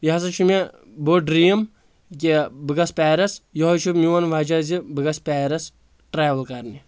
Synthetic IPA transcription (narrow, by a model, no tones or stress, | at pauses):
jɐɦɐs̬ɐt͡ʃʰume | boɖɾijm | k̬ibɨɡɐspʲaːɾɐsjɔɦɐt͡ʃʰumiwɐnʋaːd͡ʒaːzibɨɡɐspʲaːɾɐs | ʈɾaːʋɐlkɐɾni